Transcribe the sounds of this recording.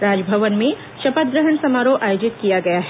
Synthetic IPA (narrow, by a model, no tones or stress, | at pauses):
ɾaːd͡ʒbʱəʋənmẽ | ʃɐpət̪̚ɡɾəɦəɳsɐmaːɾoʔaːjoːd͡ʒɪt̪kijaɡɐjaɦɛ